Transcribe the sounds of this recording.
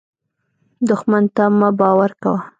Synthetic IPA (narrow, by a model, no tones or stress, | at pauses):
d̪ʊxmant̪amabɑwaɾkawa